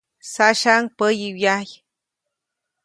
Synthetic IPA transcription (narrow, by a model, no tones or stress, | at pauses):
saʃaŋpəjiwjaj